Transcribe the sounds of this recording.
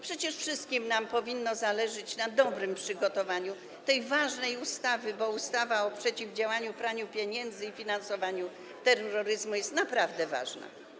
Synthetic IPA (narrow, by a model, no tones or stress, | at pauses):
pʂɛt͡ɕɛʂfʂɘst̪kʲimnampɔvʲinːɔzalɛʐɘt͡ɕnad̪ɔbɾɘmpʂɘɡɔt̪ɔvaɲu | t̪ɛjvaʐnɛjust̪avɘbɔust̪avaɔpʂɛt͡ɕivd͡ʑawaɲupɾaɲupʲjeɲɛnd̪zɘifʲinansɔvaɲu | t̪ɛɾɔɾɔɾɘzmujɛst̪napɾavd̪ɛva̰ʐna̰